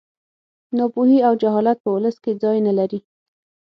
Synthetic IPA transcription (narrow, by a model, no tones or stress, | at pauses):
nɑpuɦiawd͡ʒaɦɑlat̪̚pəʊləsked͡zɑjnalaɾi